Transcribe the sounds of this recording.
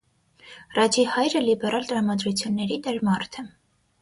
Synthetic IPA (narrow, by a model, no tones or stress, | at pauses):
rɑd͡ʒihɑjɾəlibɛɾʔɑlt̪ɾɑmɑd̪ɾut͡sʰjunːɛɾid̪ɛɾmɑrt̪ʰɛ